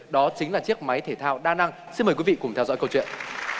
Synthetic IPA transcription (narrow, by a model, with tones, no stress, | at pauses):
ɗɔ˨˦t͡ɕï˨˦ŋlaː˨˩t͡ɕi˦˥ək̚ma˨˦jt̪ʰe˧˩t̪ʰaː˧wɗaː˧na˧ŋ | si˧nməː˨˩jkwi˨˦vḭ˧˨kʊ˧˩ŋ͡mt̪ʰɛ˧wzɔ̰˧˥jkə˧wt͡ɕwḭ˧˨ə˨n